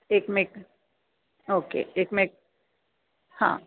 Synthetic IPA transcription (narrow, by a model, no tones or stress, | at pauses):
eːkmek | oːkḛeːkmek̚ | hã̰ː